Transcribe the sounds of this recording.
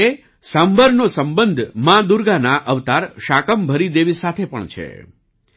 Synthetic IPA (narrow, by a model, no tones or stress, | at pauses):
e | sãmbəɾnosəmbənd̪ʱmãd̪uɾɡanaʔəʋt̪aɾʃakəmbʱəɾid̪eʋisat̪ʰepə̰ɳt͡ʃʰḛ